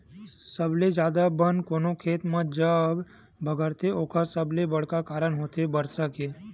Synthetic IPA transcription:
səbled͡ʒjaːd̪abənkoːnokʰeːt̪mãd͡ʒəb | bʱəɡəɾt̪ʰeoːkʰasəblebəɽ̤kakaːɾəɳ̃ɦoːt̪ebəɾsəke

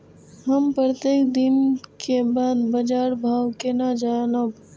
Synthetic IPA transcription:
ɦəmpɾət̪eːkd̪ɪnkebaːd̪bɐd͡ʒaːɾbʱaːʋkenad͡ʒanob

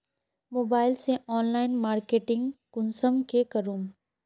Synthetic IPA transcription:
moːbaːɪlseɔːnlaːɪnmaːɾkeːʈɪ̃ŋɡkʊnsəmkekɐɾuːm

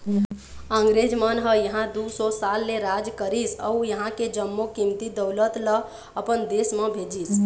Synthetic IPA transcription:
əŋɡɾed͡ʒmənɦəjəɦãd̪usɔsalːeɾad͡ʒkəɾisə̰ujəɦãked͡ʒəmːokimt̪id̪əwlət̪lə | əpənd̪esmẽbʱed͡ʒis

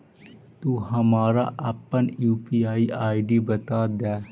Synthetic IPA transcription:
t̪uːɦɐmaːɾa̰ʔɐpːənjuːpiaːiʔaːiɖibɐt̪aːd̪ɛː

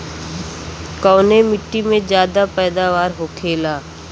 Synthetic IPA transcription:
kɔːnemɪʈːimẽd͡ʒjaːd̪apɛːd̪aʋaːɾɦokʰeːlaː

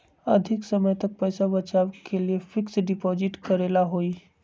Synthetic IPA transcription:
əd̪ʱiksəməjt̪ək̚pəjsabət͡ʃaʋkeliefɪksɖɪpɔzɪʈkəɾelaɦoiː

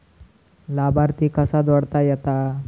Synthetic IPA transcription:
labaɾt̪iːkəsad̪əɽt̪ajɛt̪a

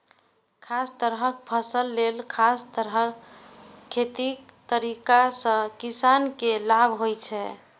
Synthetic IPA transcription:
kʰast̪əɾɦəkpʰəsəlːelkʰast̪əɾɦə | kʰːet̪ik̚t̪əɾikasə̃kisankelabʱɦojt͡ʃʰɛ

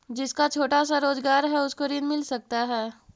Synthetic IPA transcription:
d͡ʒɪskat͡ʃʰoːʈas̬aɾoːzɡaːɾɦɛʊskoɾɪnmɪlsɐk̚t̪aɦɛː

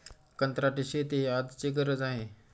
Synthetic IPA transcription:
kənt̪ɾaʈiɕet̪eɦiad̪t͡ɕeɡəɾəd͡zaɦe

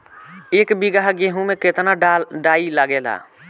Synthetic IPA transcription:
ekbiɡaɦɡeɦũmeket̪naɖailaɡela̰

